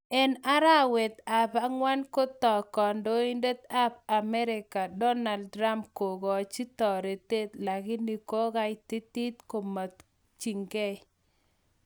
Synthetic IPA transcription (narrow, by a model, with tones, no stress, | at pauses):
ɛ˨na˦ɾa˦wɛ˨t̪a˨pa˦ŋwa˦nko˦t̪ɔ˨kɔ˨ndo˦i˦nde˦t̪a˦p̚a˨mɛ˦ɾɪ˨ka˨dɔ˦na˨ldɾa˦mpko˨ɡɔ˨t͡ʃi˦t̪ɔ˨ɾe˨t̪e˦t̪la˨ɡɪ˦ni˨ko˦ɡa˦ɪ˦t̪i˦t̪i˦t̪ko˨ma˨t̪ | t͡ʃi˨ŋɡɛ˦